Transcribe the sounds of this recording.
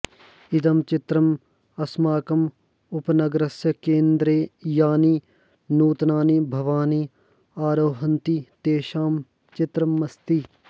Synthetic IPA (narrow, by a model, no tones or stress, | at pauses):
ɪt̪ɐmt͡ʃɪt̪ɾɐm | ɐsmaːkɐm | ʊpnɐɡɾɐsjɐkeːnd̪ɾeːjaːniː | nuːt̪naːnibʱɐʋaːni | aːɾoːɦɐnt̪it̪eːʃaːm | t͡ʃɪt̪ɾɐmːɐst̪i